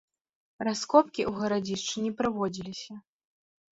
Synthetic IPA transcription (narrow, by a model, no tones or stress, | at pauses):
raskɔpkʲiʔuɣɐɾad͡zʲiʂt͡ʂɨnʲipɾɨvɔd͡zʲilʲisʲɐ